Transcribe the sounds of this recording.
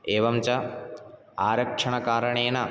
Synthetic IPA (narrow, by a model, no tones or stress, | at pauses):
eːʋɐmt͡ʃɐ | aːɾɐkʂɐɳɐkaːɾɐɳeːnɐ